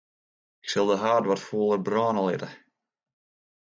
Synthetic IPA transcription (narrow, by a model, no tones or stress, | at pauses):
ɪksɪlˠdəɦaːrdʋɔtfoːlˠərbrɑːnəlˠɪ̰tə